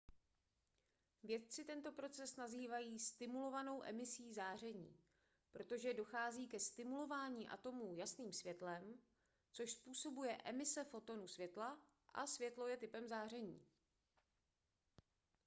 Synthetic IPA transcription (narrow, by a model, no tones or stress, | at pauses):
vjɛt̪̚t͡sɪt̪ɛnt̪o̞pɾo̞t͡sɛsnaziːvajiːst̪ɪmulo̞vano̞wʔɛ̰mɪsiːzaːr̝ɛɲiː | pɾo̞t̪o̞ʒɛdo̞xaːziːkɛst̪ɪmulo̞vaːɲiːʔa̰t̪o̞muːjasniːmsvjɛt̪lɛm | t͡so̞ʃspuːso̞bujɛʔɛmɪsɛfo̞t̪o̞nusvjɛt̪la | ʔa̰svjɛt̪lo̞jɛt̪ɪpɛmzaːr̝ɛɲḭː